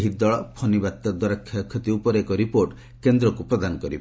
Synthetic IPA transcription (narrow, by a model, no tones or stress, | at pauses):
ɦid̪ɔɭɔpʰɔnibat̪ːɔd̪wɔɾakʰːjakʰːjɔt̪iupɔɾekɔɾipoɾʈ | kend̪ɾɔkupɾɔd̪anɔkɔɾibe